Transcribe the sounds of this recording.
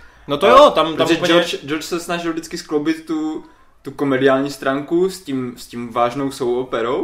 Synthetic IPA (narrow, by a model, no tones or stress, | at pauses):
not̪ojot̪amɾaʒɛot͡ʃd͡ʒoɾt͡ʃsɛsnaʒɪlˠvdɪt͡skɪsklowbɪt̪ːu | t̪ukomɛdɪaːlɲiːst̪ɾaːŋkusciːmsciːmvaːʒnowsowopɛɾow